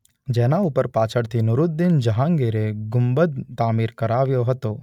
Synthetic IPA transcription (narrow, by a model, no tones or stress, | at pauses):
d͡ʒɛːnauːpəɾpaːt͡ʃʰəɽt̪ʰinʊɾʊd̪̚d̪ɪnd͡ʒɐɦãːŋɡeːɾeɡʊmbəd̪̚t̪aːmiːɾkɐɾaːʋjoɦɐt̪oː